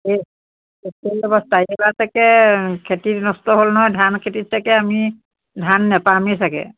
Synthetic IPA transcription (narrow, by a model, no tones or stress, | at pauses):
e | eselɔbɔstaiɛlasakɛkʰetitnɔstɔɦolnɔɦɔjdʱankʰetitsakɛami | dʱanːɛpamisakɛ̰